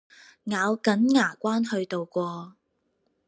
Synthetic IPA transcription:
ŋaː˨˧wkɐ˨˥nŋaː˨˩kʷaː˥nhɵ˧ɥt̪o˨wkʷɔː˧

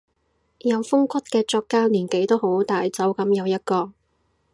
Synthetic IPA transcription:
jɐ˨˧wfʊ˥ŋkʷɐ˥t̚kɛː˧t͡ʃɔː˧kːaː˥liː˨˩nke˨˥jt̪o˥who˨˥wt̪aː˨jt͡sɐ˨˥wkɐ˨˥mjɐ˨˧wjɐ˥t̚kɔː˧

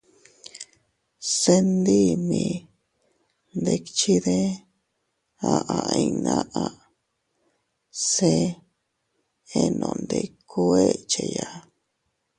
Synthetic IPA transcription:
se˦nd̪i˦mĩ˧ | nd̪e˧kt͡ʃi˦ðe˦ | a˨ʔa˨ĩ˧nã˦ʔa˧ | se˦ | e˦nõ̰˨˧˨nd̪e˧ku˦e˦t͡ʃe˧ja˨

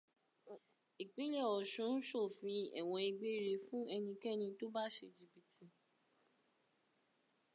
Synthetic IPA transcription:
i˨k͡pĩ˨˦lɛ˦˨ɔ˨ʃũ˨˦n̩˦ʃo˦˨fĩ˧ɛ̰˨w̃ɔ̃˧i˧ɡ͡be˦˨ɾe˧˨fũ˦ɛ˧nĩ˧kɛ˦nĩ˧to˦ba˦˨ʃḛ˧˨d͡ʒi˨bi˨ti˧

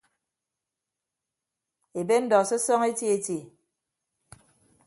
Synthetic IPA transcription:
e˨be˦n̩˦dɔ˨sɔ˦sɔ˦ŋe˦tji˦e˨te˨

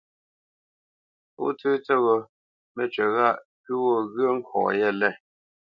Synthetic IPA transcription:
ṵ˦tʉː˦t͡sɛ˦˨ɣɔ˨ | mɛ˦˨t͡ʃɥɛ˨ɣa˦˨ʔpu˦wɔ˦˨ɣə˦ŋ̩˦kʰwɔ̰̃˨jɛ˦˨lɛ˦˨

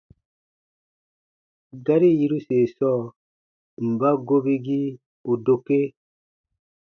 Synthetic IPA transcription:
ɡa˦ɾi˦ji˦ɾu˦se˨sɔ˦˨ | m̩˨ba˦ɡo˦bi˦ɡi˦ | u˨do˨ke˦

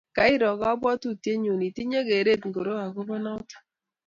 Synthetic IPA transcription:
ka˨˦i˦ɾɔ˨ka˦bwɔ˦tu˦tje˦ɲo˨ni˨ti˦ɲe˦ke˨ɾe˦˨tŋɡo˨ɾo˦a˨ko˦bɔ˦na˦t

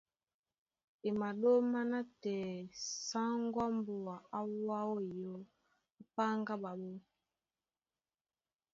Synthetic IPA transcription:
e˨ma˨ɗo˦ma˦na˦tɛː˨sa˦ŋɡwa˦mbu˨a˨a˦wa˦wo˦i˨jo˦ | a˦pa˦ŋɡa˦ɓa˨ɓo˦

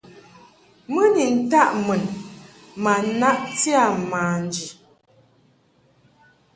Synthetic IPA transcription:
mə˦ni˨n̩˨˦ta˦ʔmə˨n | ma˨˦na˦ʔti˦a˨maː˨n˨d͡ʒi˨

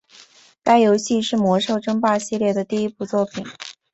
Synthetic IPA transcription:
ka˥ɪjo˧˥ʊɕi˥˧ʂɻ̩˥˩mwɔ˧˥ʂo˥˩ʊʈ͡ʂɤ˥ŋpa˥˧ɕi˥˧ljɛ˥˩d̪ə˩t̪i˥˧i˥pu˥˧t͡swɔ˥˩pʰi˨˩˦n

